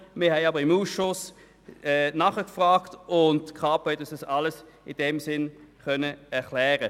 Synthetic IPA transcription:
mɪɐhɛɪɑbəʁɪmuːsʃʊs | ɛnɑχəkfʁaːktʊntkχɑːpɛdɑsd̥ɑsɑləs | ɪd̥ɛmsɪnχœnəɛʁklɛːʁə

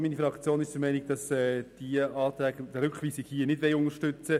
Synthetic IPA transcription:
minifɾɑkt͡sjoːnɪʃd̥əmɛɪnɪɡ̥̚d̥ɑsɛːd̥iəɑːt̪ɾæːɡɾʏkχʋiːsɪɡhiːənɪdʋɛɪʊnəʃtʏt͡sə

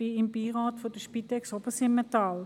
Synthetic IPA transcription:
iɪmbiːʁɑːtfod̥əʃpitɛksobəsɪmːetɑl

